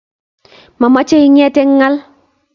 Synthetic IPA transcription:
ma˨ma˦t͡ʃe˦iɲɛ˦tɛ˦ŋːa˦l

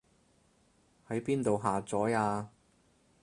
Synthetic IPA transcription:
hɐ˨˥jpiː˥nt̪o˨wɦaː˨t͡sɔː˨˥jaː˧

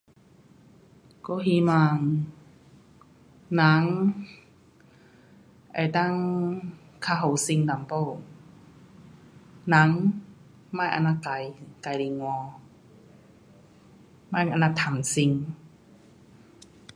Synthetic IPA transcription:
ko˧˦ɦi˧˦maː˧ŋ | na˧˦ŋ | ʔa̰˨˩jt̪a˥˨ŋ | kʰaː˧ɦo˨˩˦wsi˧ŋda˨˦mpo˧˩w | na˧˦˥ŋ | maː˧˥˩jʔa̰˧naː˧˥ka˨˩jka˨˩jli˨˦ŋwɔː˧ | maː˥˩jʔa˧naː˧t̪ʰa˨˧˦nsi˧ŋ

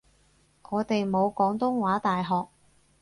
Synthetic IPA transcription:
ŋɔː˨˧t̪e˨jmo˨˧wkɔː˨˥ŋt̪ʊ˥ŋwaː˨˥t̪aː˨jɦɔː˨k̚

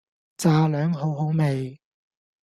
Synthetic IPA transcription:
t͡saː˨˩lœː˨˥ŋɦo˨˧˥wɦo˨˥wme˨j

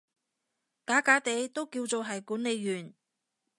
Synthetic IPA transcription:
kaː˨˥kaː˨˥t̪e˨˧jt̪o˥wkiː˧wt͡so˨wɦɐ˨jkuː˨˥nle˨˧jːyː˨˩n

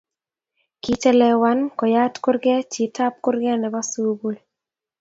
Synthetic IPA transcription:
ki˦t͡ʃɛ˦lɛ˦wa˦nkɔ˨ja˦tkʊ˦ɾɡɛ˦t͡ʃi˨ta˦p̚kʊ˦ɾɡɛ˦nɛ˨ba˦su˦bo˦l

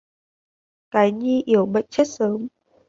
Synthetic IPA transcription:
kaː˨˦jɲi˧ʔi˧˩əwɓə̰˧˨jt̚t͡ɕe˦˥t̚səː˨˦m

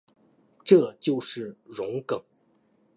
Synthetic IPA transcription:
ʈ͡ʂɤ˥˧t͡ɕjo˥˧ʊʂɻ̩˥˩ɻʊ˧˥ŋkɤ˨˩˦ŋ

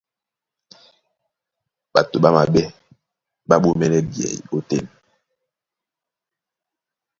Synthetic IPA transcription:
ɓa˨to˨ɓa˦ma˨ɓɛ˦ | ɓa˦ɓo˦mɛ˦nɛ˦bjɛ̰˨jo˦tḛ˦˨n

